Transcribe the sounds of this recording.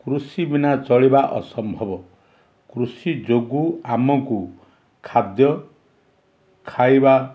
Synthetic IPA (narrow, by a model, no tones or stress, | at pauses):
kɾusibinat͡ʃɔɭibaʔɔsɔmbʱɔbɔ | kɾusid͡ʒoɡuamɔku | kʰad̪jɔ | kʰajba